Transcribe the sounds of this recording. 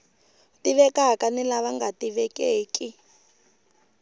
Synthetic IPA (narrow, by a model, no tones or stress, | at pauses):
tiβɛkakanilaβaŋɡatiβɛkeːki